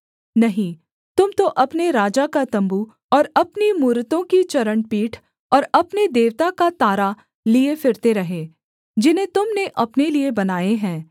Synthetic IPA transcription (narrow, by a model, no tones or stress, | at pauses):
nɐɦĩ | t̪ʊmt̪oʔɐpneɾaːd͡ʒakat̪ɐ̃mbu | ɔːɾɐpnimuːɾət̪õkit͡ʃɐɾəɳpiːʈʰ | ɔːɾɐpned̪eːʋt̪akat̪aːɾa | liefɪɾt̪eɾɐɦeː | d͡ʒɪnɦẽt̪ʊmneʔɐpneliebɐnaːeɦɛ̃ː